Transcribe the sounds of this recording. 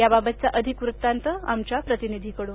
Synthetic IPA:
jababət̪̚t͡saʔəd̪ʱikʋɾut̪ːant̪əa̰mt͡ɕjapɾət̪inid̪ʱikəɽuːn

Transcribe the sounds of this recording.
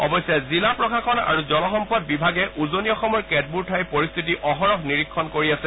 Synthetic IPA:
ɔ̰bɔjsjazilapɹɔkʰakʰɔna̰ɹuzɔlɔxɔmpɔt̚bibʱaɡɛʔuzoniɔxɔmɔɹkɛt̚buɹtʰajpoɹist̪ʰit̬iʔɔxɔɹɔxniɹikʰːɔnkoɹiasɛ

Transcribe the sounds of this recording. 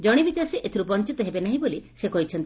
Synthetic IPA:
d͡ʒɔɽ̃ibit͡ʃaɾseʔet̪ʰiɾupɔnt͡ʃit̪ɔɦebenaɦĩbolisekɔɦit͡ʃʰɔnt̪i

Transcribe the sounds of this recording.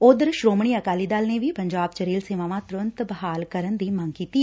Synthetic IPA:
ʊd̪əɾʃɾoːmɳ̃iːəkaːliːd̪aːlneːʋiːpəɲd͡ʒaːbt͡ʃəɾiːlseːʋãːʋãːt̪ʊɾənt̪bəɦaːlkəɾənd̪iːməŋkiːt̪iːɛ

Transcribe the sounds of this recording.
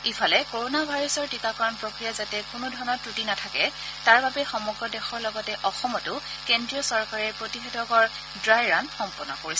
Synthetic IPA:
ifʰalɛkoɹonabʱajɹɔsɔɹtikakɔɹɔnpɹokɹijazatɛkʊnʊdʱɔɹnɔtɹutinatʰakɛtaɹbabɛxɔmɔɡɹɔdɛxɔɹlɔɡɔtɛʔɔxɔmɔtʊ | kendɹiɔsɔɹkaɹɛpɹotixedɔkɔɹ | dɹajɹanxɔmpɔnɔkoɹis

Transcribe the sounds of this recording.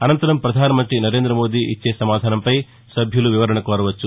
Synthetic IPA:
ɐnɐnt̪ɐɾɐmpɾɐd̪ʱaːnɐmɐnt̪ɾinɐɾe̞ːnd̪ɾɐmo̞ːd̪iːʔit͡ʃːe̞ːsɐmaːd̪ʱaːnɐmpɐj | sɐbʱjɐluʋiʋɐɾɐɳɐkɔːɾɐʋɐt͡ʃːu

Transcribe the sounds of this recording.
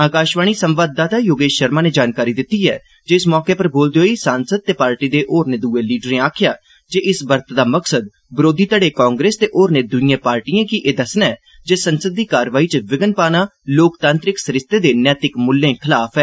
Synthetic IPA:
aːkaːʃʋaːñiːsə̃mʋaːd̪̚d̪aːt̪aːjoːɡeːʃəɾmãːneːd͡ʒaːnkaːɾiːd̪ɪt̪ːiːɦɛː | d͡ʒeːɪsmɔːkeːpəɾboːld̪eɦoːisãːnsəd̪̚t̪eːpaːɾʈiːd̪eːʔoːɾneːd̪uːeːliːɖəɾẽːaːkʰɪjaː | d͡ʒeːʔɪsbəɾt̪d̪aːməksəd̪̚ | bɪɾoːd̪ʱiːt̪əɽeːkãːŋɡɾeːst̪eːʔoːɾneːd̪ʊnɪjãːpaːɾʈiːãːkiʔeːd̪əsnɛː | d͡ʒeːsənsəd̪̚ːiːkaːɾʋaːiːt͡ʃəʋɪɡənpaːnaːloːkt̪ãːnt̪ɾɪksəɾɪst̪eːd̪eːnɛːt̪ɪkmʊlːẽːkʰɪlaːfʰɛː

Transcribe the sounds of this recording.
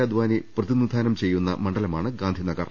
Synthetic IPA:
ɐd̪uʋaːniprɐðinud̪ʱaːnɐmt͡ɕe̞jːunːɐ̰mɐɳɖɐlɐmaːɳɨɡaːnd̪ʱinɐɡɐ̰r

